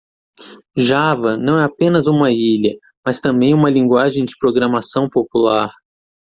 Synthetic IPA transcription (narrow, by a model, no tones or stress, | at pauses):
ʒavɐnɐ̃w̃ɛapẽnɐzũmɐiʎɐ | mɐst̪ɐ̃mbẽj̃ũmɐlĩŋɡwaʒẽj̃d͡ʒɪpɾoɡɾɐmasɐ̃w̃populaɾ